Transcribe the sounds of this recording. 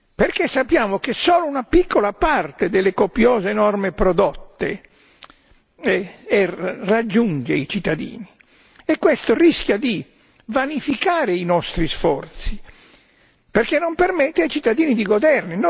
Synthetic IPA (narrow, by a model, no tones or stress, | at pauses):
perkesːapːjaːmokesɔːlounapikʰːolapart̪ed̪elːekopjɔːzeːnɔrmepɾɔd̪ɔt̪ːe | ɛrad͡ʒːund͡ʒeit͡ʃit̪ːad̪ḭːni | ekːwest̪oriskjad̪i | vanifikaːɾeinɔst̪ɾisfɔrt̪si | perkenːompermɛt̪ːeajt͡ʃit̪ːad̪iːnid̪iɡod̪ɛrnin